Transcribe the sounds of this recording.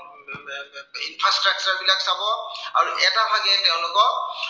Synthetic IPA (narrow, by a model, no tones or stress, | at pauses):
inpʰɹastɹak̚t͡ʃaɹbilaksabɔaɹuʔɛtabʱaɡɛtɛʊ̃lʊkɔ